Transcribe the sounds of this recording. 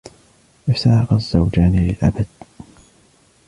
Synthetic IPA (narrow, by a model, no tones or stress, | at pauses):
ʔɪfsaːɑɣɑzːawd͡ʒaːnilɪlʔa̰bad̪̥̚